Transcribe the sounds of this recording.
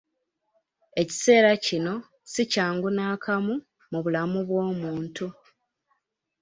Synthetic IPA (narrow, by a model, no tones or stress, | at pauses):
e̞ci̥se̞ːɾacino̞ | sicaːŋɡunaːkʰamu | muβulamuβwo̞ːmuːntu